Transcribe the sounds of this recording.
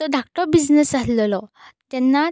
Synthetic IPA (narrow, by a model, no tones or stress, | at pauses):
t̪ɔɖʱakʈɔbid͡znesaslɔlɔ | t̪ɛnːa